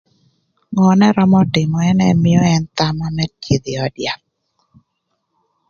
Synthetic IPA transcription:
ŋɔ˨nɛ˦ɾɔ˦mɔ˦dɪ˨mɔ˨ɛ˦nɛ˦mɪ˦ɔ˦ɛ˦nt̪a˦ma˦nɛ˦t͡ʃe˨d̪ɪ˨ɔ˨dja˨k

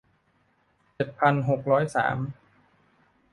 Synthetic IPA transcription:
t͡ɕe˨˩t̪̚pʰa˧nɦo˨˩k̚ɾɔː˦˥jsa̰ː˩˦m

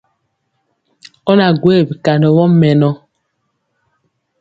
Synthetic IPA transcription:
ɔ˦na˨ɡwe˦˨bi˨ka˨ndɔ˨wɔ˦mɛ˨nɔ˦

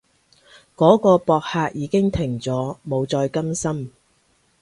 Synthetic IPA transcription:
kɔː˨˥kɔː˧pɔː˧k̚haː˧k̚jiː˨˧kɪ˥ŋt̪ʰɪ˨˩ŋt͡sɔː˨˥mo˨˧wt͡sɔː˧jkɐ˥msɐ˥m

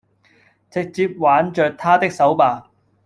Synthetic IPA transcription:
t͡sɪ˨k̚t͡siː˧p̚waː˨˥nt͡ʃœː˧k̚t̪ʰaː˥t̪ɪ˥k̚sɐ˨˥wpaː˨

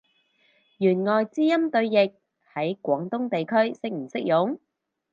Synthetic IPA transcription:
jyː˨˩nŋɔː˨˩jt͡siː˥jɐ˥mt̪ɵ˧ɥjɪ˨k̚ | hɐ˨˥jkʷɔː˨˥ŋt̪ʊ˥ŋt̪e˨jkʰɵ˥ɥsɪ˥k̚m̩˨˩sɪ˥k̚jʊ˨˥ŋ

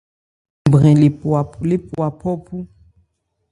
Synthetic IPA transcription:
bʁɛ̃˨a˨le˦˨pwa˨pʰɔ˦pʰu˦

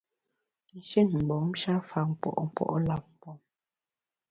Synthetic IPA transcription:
n̩˨ʃe˦˨nm̩˨bɔ˨˦m̩˦ʃa˦fa˨m̩˨pɔ̰˨ʔɔ˦m̩˨˦pɔ̰˦˨ʔɔ˦la˨p̚m̩˨pɔ˨˦m

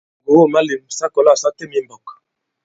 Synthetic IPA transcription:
bo˨wo˦˨ma˦li˨m˨sa˦kɔ˨la˦˨sa˦te˦mi˦mbɔ˨kḁ˨

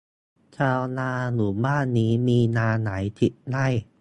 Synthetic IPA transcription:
t͡ɕʰaː˧wnaː˧nuː˩˦baː˥˩nːiː˦˥miː˧naː˧na˩˦jt̪ʰi˨˩t̪̚na˥˩j

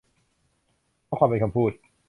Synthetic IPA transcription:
kʰaː˥˩kʰaː˧mpe˧nkʰa˧mpʰuː˥˩t̪̚

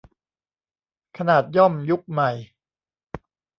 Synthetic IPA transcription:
kʰa˧naː˨˩t̪̚jɔ˥˩mju˦˥k̚ma˨˩j

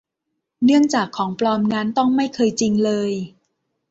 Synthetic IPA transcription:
nɯ˥˩əŋt͡ɕaː˨˩kʰːɔː˩˦ŋplɔː˧mna˦˧˥nt̪ɔ˥˩ŋma˥˩jkʰɤː˧jt͡ɕi˧ŋlɤː˧j

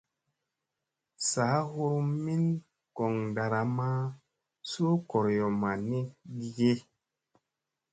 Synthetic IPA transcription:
saː˨˦hu˦ɾmi˦n | kɔ˨ŋda˨ɾa˨ma˦ | so˦ko˨ɾjɔ˨ma˨ni˦ɡi˦ɡe˦

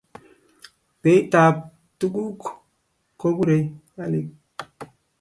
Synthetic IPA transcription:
pe˨˦i˦ta˨p̚ | tu˦ɡu˦k | ko˦bu˦ɾe˨ja˦le˦k̚

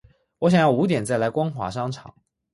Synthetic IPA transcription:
wɔ˧˥ɕ̬jɑ˨˩ŋjɑ˥˩ʊu˧˥t̪̬jɛ˨˩nt͡sa˥˩ɪla˧˥ɪkwɑ˥ŋxwa̰˨˥ʂɑ˥ŋʈ͡ʂʰɑ̰˨˩˦ŋ

